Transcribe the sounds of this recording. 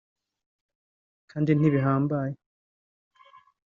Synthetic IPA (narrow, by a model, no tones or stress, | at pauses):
kʰaːndin̥iβiɦaːmbaje